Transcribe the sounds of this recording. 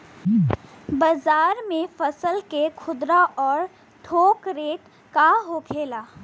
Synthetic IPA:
bazaːɾmẽfɐsəlkekʰʊd̪ɾaʔɔːɾ | ʈʰoːkɾeːʈ | kaɦokʰeːlaː

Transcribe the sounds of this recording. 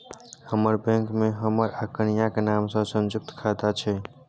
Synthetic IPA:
həməɾbɛ̃ŋkmeɦəməɾakənijakenamsə̃sə̃nd͡ʒʊk̚t̪kʰat̪at͡ʃʰɛ

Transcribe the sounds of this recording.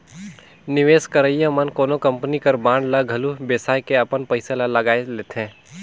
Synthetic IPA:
nɪʋeːskəɾəjãmənkoːnokɐ̃mpnikəɾbãːɳɖləɡʱɐlubeːsaːjkeɐpənpəɪselalɐɡaːeleːt̪ʰɦẽː

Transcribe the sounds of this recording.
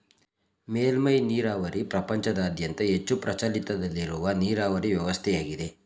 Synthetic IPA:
meːlmɐjniːɾaːʋɐɾipɾɐpɐɲt͡ʃɐd̪ɐːd̪ʱjɐnt̪ɐɦet͡ʃːupɾɐt͡ʃɐlit̪ɐd̪ɐlːiɾuʋɐniːɾaːʋɐɾiʋjɐʋɐst̪ʰɛjaːɡid̪e̞

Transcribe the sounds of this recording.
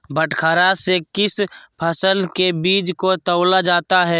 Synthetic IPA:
bəʈkʰaːɾasekɪspʰəsəlkebiːd͡ʒkot̪əʊlad͡ʒaːt̪aɦɛː

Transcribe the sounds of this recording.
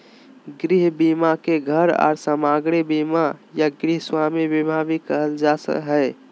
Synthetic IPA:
ɡɾiɦbimakeɡʱəɾɔ̰ːɾsəmaɡɽ̃ebimajaɡɾiɦswaːmibibʱabikəɦəld͡ʒasə̰kɦɛ

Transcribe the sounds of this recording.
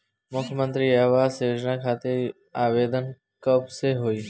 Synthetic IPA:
mʊkʰmə̃nt̪ɾiːaːʋaːzseːd͡ʒnaːkʰaːt̪e | aːʋeːd̪ən | kəbseɦoːiː

